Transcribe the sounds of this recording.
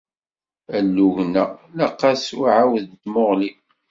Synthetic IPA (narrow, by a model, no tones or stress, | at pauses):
ælːuʝnælɑqːɑsʊʕawðt̪moʁli